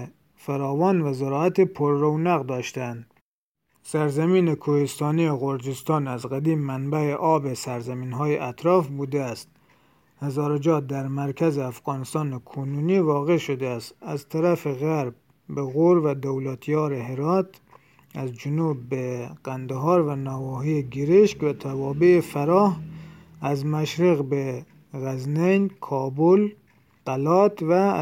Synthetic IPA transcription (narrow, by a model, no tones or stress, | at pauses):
fæɾɒːvɒːnvæzoɾɒːæt̪epʰoɾːownæɣd̪ɒːʃt̪ænd̪ | sæɾzæmiːnekʰohest̪ɒːnijeɣoɾd͡ʒest̪ɒːnæzɣæd̪iːmːænbæeʔɒːbesæɾzæmiːnɦɒːjeʔæt̪ʰɾɒːfbuːd̪eæst̪ | hæzɒːɾed͡ʒɒːt̪̚d̪æɾmæɾkʰæzeæfɣɒːnest̪ɒːnekʰonuːniːvɒːɣe̞ʃod̪eæst̪æzt̪ʰæɾæfeɣæɾb̚ | beɣoɾvæd̪owlæt̪ʰjɒːɾeɦeɾɒːt̪ | æzd͡ʒʊnuːbːeɡ̥ænd̪eɦɑːɾvænɒːvɒːɦieɡeɾeʃkvæt̪ʰævɒːbeefæɾɒːh | æzmæʃɾiɣbe | ɣæznejnkʰɒːbol | qælɒːt̪væ